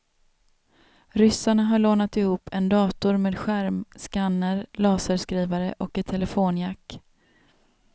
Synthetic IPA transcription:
ɾʏsaɳaɦaɭoːnat̪ɪhuːpʰːɛnd̪ɑːt̪ʊɾmeːd̪ɧæɾmskanːəɾlɑːsəskɾiːvaɾə̰ʔɔkɛt̪ʰɛlɛfoːnjakː

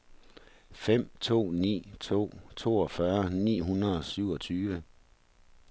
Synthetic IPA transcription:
fem̰t͡sʰo̝̰ːnḭːt͡sʰo̝̰ːt͡sʰo̝̰ːɒ̽fɶɐnḭːɦunʁɐɒ̽syʊ̰ɒ̽t͡sʰyːʋə

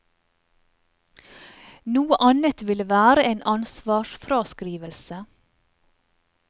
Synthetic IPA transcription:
nuːəʔɑnət̪ʋɪləʋæːɾəeːnʔɑnsʋɑːʃfɾɑːskɾiːʋəlsə

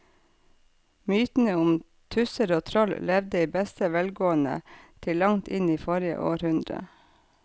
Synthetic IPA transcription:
myːt̪n̩əʊm | t̪ʰʉsəɾoːt̪ʰɾɔllɛʋd̪əiːbɛst̪əʋɛlɡoːənə̰t̪ʰɪlɑŋt̪ʰɪniːfɔɾɪə̰ʔoːɾhʉnd̪ɾə̰

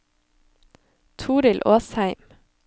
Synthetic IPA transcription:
t̪ʰuːɾɪlʔoːshæɪm

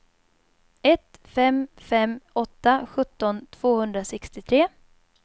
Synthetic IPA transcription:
ɛt̪fɛmfɛmːɔt̪ːaɧɵt̪ːɔnt̪ʰv̥oːhɵnd̪ɾasɛkst̪ɪt̪ʰɾeː

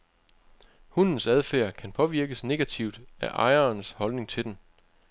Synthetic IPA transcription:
hunn̩sæð̞ˠfæɐkʰænpʰɒ̽ʋiɐɡ̥əsne̝ɡ̥æt͡sʰiʊd̥æʔɑ̈ɪɐːnshɒ̽lne̝ŋt͡sʰe̝d̥en

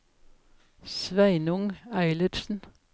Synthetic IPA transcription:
sʋæɪnʊŋæɪləɾsn̩

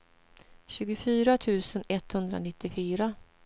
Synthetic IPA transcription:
ɕʉ̟ːɡʊfyːɾat̪ʰʉ̟ːsənɛt̪ːhɵnd̪ɾa̰nɪt̪ːɪfyːɾa

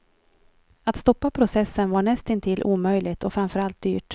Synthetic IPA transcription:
at̪st̪ɔpːapʰɾʊsɛsːənvaɳɛst̪ɪnt̪ʰɪlʔuːmœjlɪt̪ɔfɾamfœɾalt̪̚d̪y̰ːʈ

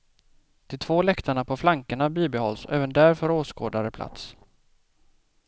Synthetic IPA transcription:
d̪̥ʰɪt̪ʰvoːlɛkt̪aɳapʰɔflaŋkəɳabiːbɪhɔlsɔʔɛːvənd̪æɾfœɾoːsko̰ːd̪aɾəpʰlʔa̰t̪s

